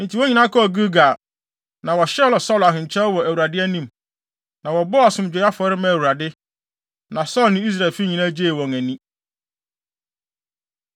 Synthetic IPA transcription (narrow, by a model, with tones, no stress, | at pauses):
n̩˨tʰi˨wɔ˦ɲĩ˨nã˦kɔ˦˨ɡu˦ɡa˨ | nã˨wɔ˨ɕɛ˦lɔ˨sɔ˦la˨ɦɪ̃˨ɲ˨t͡ɕʰɛ˦lwɔ˨æ˨wu˨ɾa˨dɪ˦æ˦nĩ˦m | nã˨wɔ˨bʊ˦a˨sʊ̃˦m˦d͡ʑᶣe˨˦a˦fɔ˨˦ɾɪ˦mã˦˨æ˨wu˨ɾa˨dɪ˦ | nã˨sɔ˦lnɪ̃˦i˦s̬ɾa˨fi˦ɲĩ˨nã˦d͡ʑeː˦˨wɔ̃˨ŋæ̃˨nĩ˦